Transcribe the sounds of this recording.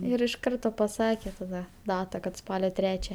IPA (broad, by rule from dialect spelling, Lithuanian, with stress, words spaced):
ˈɪr ɪʃ ˈkɐrtoː pɐˈsɑːkʲeː tɐˈdɐ ˈdɑːtɐ kɐt ˈspɑːlʲoː ˈtʲrʲæːt͡ʃʲɛ